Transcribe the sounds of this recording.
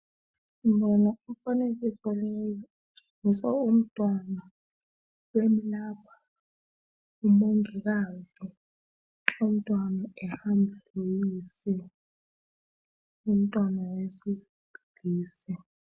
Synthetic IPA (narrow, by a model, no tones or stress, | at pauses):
imbɔnauɱfanek̬isɔlɛjɔ | ɡʱe̥ŋisaum̩tʼwana | wemilaːpʰḁ | umoŋɛk̬azi | um̩tʼwanaɛhambʱlujisɛ | um̩tʼwanawesi | b̥ʱiɡ̥ʱiːsɛ